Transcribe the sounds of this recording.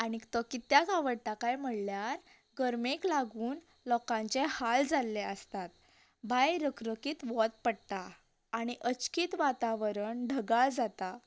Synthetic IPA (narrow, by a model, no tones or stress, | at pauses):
aɽ̃it̪ɔkit̪jakaʋəɽt̪akajm̤əɽljaɾ | ɡəɾmeklaɡuːn | lɔkãɲt͡ɕehald͡zalːeəst̪at̪̚ | bʱajɾəkɾəkiːt̪ʋɔt̪̚pəɽʈ̪aː | ɽ̃iʔət͡ɕkiːt̪ʋat̪aʋɾəɳɖʱəɡald͡zat̪a